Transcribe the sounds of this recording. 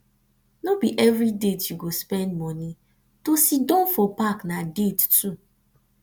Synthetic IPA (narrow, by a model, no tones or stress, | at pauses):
nobiʔɛvɹidetjuɡospɛ̃ndmɔni | tosidɔ̃nfɔpaknadettu